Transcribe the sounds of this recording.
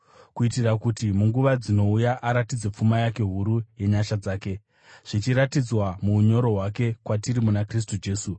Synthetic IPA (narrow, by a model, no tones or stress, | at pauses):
kuitirakutimuŋɡuʋad͡zino̞ujaʔaɾatid͡zep͡fumajake̞ɦuɾuje̞ɲaʃad͡zaːke̞ | ʐ̥it͡ʃiɾatid͡zwamuuɲo̞ɾo̞ɦwake̞kwatiɾimunakris̬tud͡ʒe̞ːsu